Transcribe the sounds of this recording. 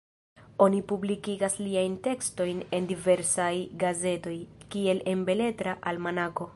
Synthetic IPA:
o̞nipublikiɡasliajnte̞ksto̞jne̞ndive̞ɾsajɡaze̞to̞jkie̞le̞mbe̞le̞tɾaʔalmanako̞

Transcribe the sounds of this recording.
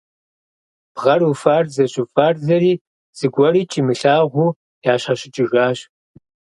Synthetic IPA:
b̥ʁɐrufaːrzɐɕʼufaːrzɐɾiː | z̥ɨɡʷɔriːt͡ʃʼiːmɨɬaːʁʷuː | jaːɕɐɕɪt͡ʃʼɪɣaːɕ

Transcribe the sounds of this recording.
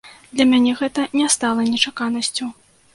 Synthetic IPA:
d̪lʲɐmʲanʲɛɣɛt̪ɐnʲɛst̪alˠɐnʲɛt͡ʂakanɐsʲt͡sʲu

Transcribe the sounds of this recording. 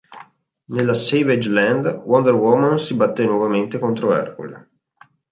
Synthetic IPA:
nelːaseved͡ʒlɛnd̪wɔnd̪ɛrwɔmansibat̪ːenːwɔvament̪ekont̪ɾoɛ̰rkṵl

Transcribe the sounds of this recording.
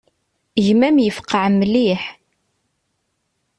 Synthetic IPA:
ʝmæmjəfqːəʕmːliħ

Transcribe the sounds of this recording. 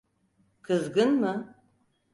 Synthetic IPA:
kʰɨzɡɨnmɨ

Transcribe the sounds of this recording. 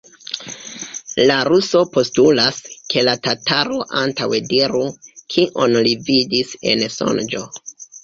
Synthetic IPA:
laɾuso̞po̞stulaskʰe̞latataɾo̞ʔantawediɾukʰiʔonlividise̞̰nso̞̰nd͡ʒo̞

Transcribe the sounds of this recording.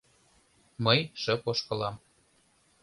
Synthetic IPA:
məjʃə̆poʃkɤlɑm

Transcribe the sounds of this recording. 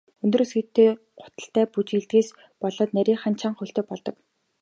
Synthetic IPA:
ɵnt̪ɵ̆rsɡet̪ːeː | ɢʊ̥t̪ə̆ɬt̪æːput͡ɕeɮt̪ɡeːs | pɔɮɔːt̪næɾʲiːŋχan̥t͡ɕʰaːɴχɵɬt̪eːpɔɮt̪ɞ̆k

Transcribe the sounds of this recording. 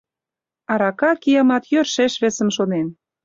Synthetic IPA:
ɑɾɑkɑkijɑmɑt̪jørʃeʃβesə̆mʃonen

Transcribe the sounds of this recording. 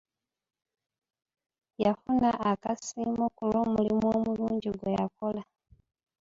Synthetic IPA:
jafunaʔːkasimukulomulimwomuluːɲɟiɡwejakola

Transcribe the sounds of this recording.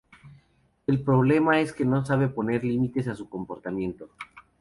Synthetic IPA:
e̞lpɾo̞β̞le̞mae̞ske̞no̞saβe̞po̞ne̞ɾlimit̪e̞sasuko̞mpo̞ɾt̪amje̞nt̪o̞

